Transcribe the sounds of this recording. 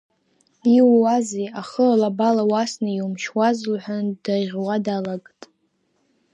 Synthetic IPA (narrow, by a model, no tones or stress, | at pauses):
iwwaziaχəalabalawasnɨjumʃwazlħʷand̥aʁʲwadalaɡʼtʼ